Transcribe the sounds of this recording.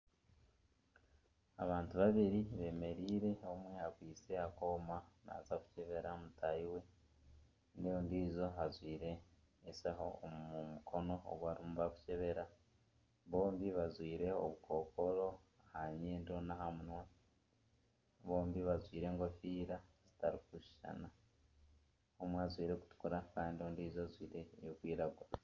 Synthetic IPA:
a̰βaːntuβaβiɾiβe̞ːme̞ɾiːɾe̞omwe̞aɡwiːt͡se̞ako̞ːmana̰zaku̥ceβe̞ɾamutʰaiwe̞ | nijoːndiːzo̞ɦazwiːɾe̞ː | saɦo̰umukʰo̞no̞o̰ɡwaːɾimuβaku̥ce̞βe̞ɾa | βo̞ːmbiβazwiːɾe̞o̰βuko̞ːko̞ɾo̞ | ahaɲeːndionahamunwa | βo̞ːmbiβazwiːɾe̞ːŋɡofiːɾazitaɾikuʃi̥ʃa̰na | homwazwiːɾe̞ku̥tu̥kuɾakaːnindioːndiːzoazwiːɾejokwiːɾaɡwaa

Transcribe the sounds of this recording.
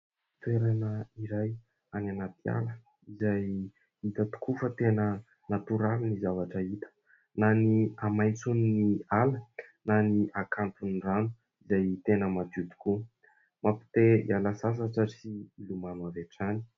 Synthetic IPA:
t̪uweɾanəiɾaj | ananat̪ia̰lə | izaj | it̪ət̪u̥kʰufət̪enə | nat̪uɾalinizavaʈ͡ʂəit̪ə̥ | naniamajnt͡suninialənaniʔakʰant̪uniranu̥ | izajt̪enəmad̪ud̪u̥ku | mapi̥t̪eḭalasas̬aʈ͡ʂaɾsiilumanaveʈ͡ʂani̥

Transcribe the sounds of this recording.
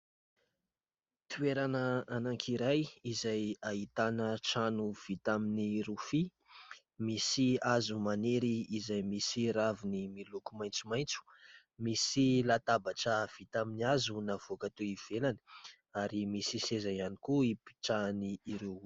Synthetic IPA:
t̪ueɾanəanaŋkʰiɾajizajaɦit̪anəʈ͡ʂanuv̥it̪aminiɾufi | misiazumaneɾiːzajmisiɾavunimilukumajnt͡sumajnt͡su̥ | misilat̪abaʈ͡ʂəv̥it̪aminiazunav̥okat̪uiv̥elanə̥ | aɾimisisezajanikuipi̥ʈ͡ʂaniːɾew

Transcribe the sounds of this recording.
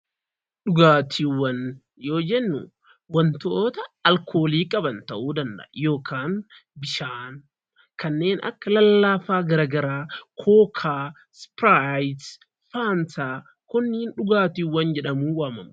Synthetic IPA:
ɗʊɡaːt̪ʰiːwːɐn | jo̞ːd͡ʒɛnːʊ̰ | wɐnt̪oːt̪ɐɐlkʰo̞ːliːkʼɐbɐnt̪ɐʔuːd̪ɐnd̪ɐ̰ʔjo̞ːkʰaːn | bɪʃaːn | kɐnːe̞ːnʔɐ̰kːɐlɐlːaːfaːɡɐɾaːɡɐɾaːkʰoːkʰaː | spɾajt̪ | faːnsaː | kʊnːiːnᶑʊɡaːt̪iːwːɐnd͡ʒɛᶑɐmuːwaːmɐm

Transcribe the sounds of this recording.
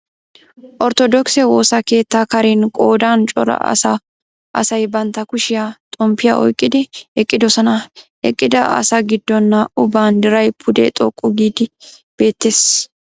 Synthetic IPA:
ʔɔɾt̪ɔd̪ɔksɛwo̞ːsɐke̞ːt̪ːaːkɐɾenkʼoːd̪aːnt͡ʃʼɔ̰ɾɐ̰ɐ̰sɐ | ʔɐ̰sɐjbɐnt̪ːɐkʊʃɪjaːt̪ʼɔmpːɪja̰ʔɔ̰jkʼːɪd̪ɪɛkʼːɪd̪ɔsɐnɐ | ɛ̰kʼːɪd̪ɐʔɐ̰sɐɡɪd̪ːɔnːɐʊbːaːnd̪ɪɾɐjpʰʊd̪ɛ̰t̪ʼɔkʼːʊɡiːd̪ɪb̥e̞ːt̪ːeːs

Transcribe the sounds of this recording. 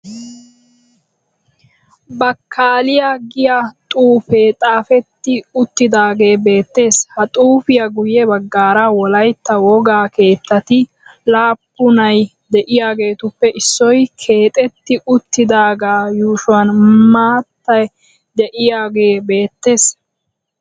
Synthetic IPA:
bɐkʰːaːlɪjaɡɪjat̪ʼuːfeːt̪ʼaːfɛt̪ːɪʊt̪ːɪd̪aːɡe̞ːbe̞ːt̪ːe̞ːshɐt̪ʼuːfɪjɐɡʊjɛbɐɡːaːɾawɔlɐjt̪ːɐwɔɡaːke̞ːt̪ːɐt̪ɪ | laːpːʊnɐj | d̪ɛʔɪjaːɡe̞ːt̪ʊpːɛʔɪsːɔjkʰe̞ːt̪ʼɛt̪ːɪʊt̪ːɪd̪aːɡaːjuːʃʊɐnmaːt̪ːɐj | d̪ɛʔɪjaːɡe̞ːbe̞ːt̪ːe̞ːs

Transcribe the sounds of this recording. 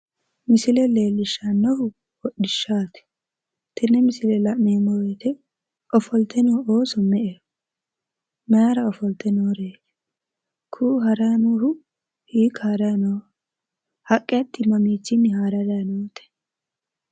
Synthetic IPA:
mɪsɪlɛle̞ːlːɪʃːanːɔhʊ | wɔɗɪʃːaːt̪ɛ̥ | t̪ɛnːɛmɪsɪlɛlɐʔmeːmːɔwet̪ɛ | ɔfɔlt̪ʰɛnɔoːsɔmɛʔe | mɐjaɾɐɔfɔlt̪ɛnoːɾeːt̪ɛ̥ | kʰuːɦɐɾanuhʊ | hiːkaːɾɐnɔ | hɐkʼːɛɐt̪ːɪmɐmiːt͡sːɪnːɪhaːɾɐɾɐnoːt̪ɛ̥

